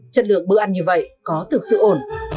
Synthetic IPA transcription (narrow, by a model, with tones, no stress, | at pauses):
t͡ɕə˧˥nlɨ̰˧˨əŋ̚ɓɨ̰˧˥ʔa˧jŋ̟ɲɨ˧və̰˧˨jkɔ˨˦t̪ʰɨ˨˩k̚sɨ̰˧˨ʔo˧˩n